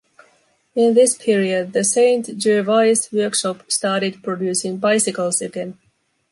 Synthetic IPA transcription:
ɪ̃nðɪspʰiɹiəd̪̚ðɨsẽɪ̃nt̪d͡ʒʉɹvaɪswɜ˞kʃɔpstɑːɾɪd̚pʰɹ̥ɔdjʉːsɪ̃ŋbaɪsɪkəlˠsəɡɛ̃n

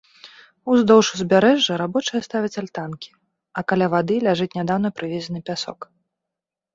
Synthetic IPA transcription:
uzd̪ɔwʂuzʲbʲaɾɛʐːɐɾabɔt͡ʂɨjɐst̪avʲɐt͡sʲalʲt̪ankʲi̥ | ɐkalʲavad̪ɨlʲaʐɨt͡sʲnʲad̪awnɐpɾɨvʲɛzʲɐnɨpʲasɔ̰k

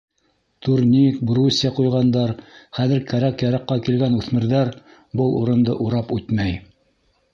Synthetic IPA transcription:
t̪uɾnʲik̚brusʲːiɑqujʁɑnd̪ɑɾχæðɘ̆ɾkæɾækjæɾɑqːɑkilɡænʉθmɘ̆ɾðæɾ | bɤlˠuɾɤ̆nd̪ɤ̰ʔuɾɑpʉt̪mæj

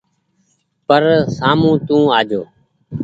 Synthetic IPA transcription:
pəɾsaːmũːt̪ũːaːd͡ʒoː

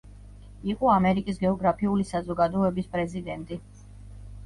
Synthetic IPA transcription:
iqʼɔamɛɾikʼis̬ɡɛɔɡɾapʰiulisazɔɡad̪ɔɛbispʼɾɛzid̪ɛnt̪ʼi

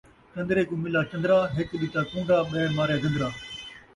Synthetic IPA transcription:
kɐ̃nd̪ɾeːkũːmɪlaːkɐnd̪ɾaːɦɪkɗɪt͡ʃaːkũːɳɖaːɓɛːmaːɾjaːɡə̃nd̪ɾaː

